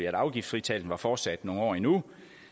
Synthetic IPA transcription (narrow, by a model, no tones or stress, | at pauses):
iæɾ̥ɑ̈ʊɡ̥ifd̥sfʁit͡sʰæld̥n̩ʋɑ̈fɒ̥ːsæd̥no̝ːn̩ɒ̰ːinu